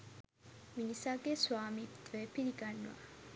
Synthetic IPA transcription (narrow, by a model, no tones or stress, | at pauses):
minisaɡesuaːmit̪ʋepiɾiɡanːʋa̰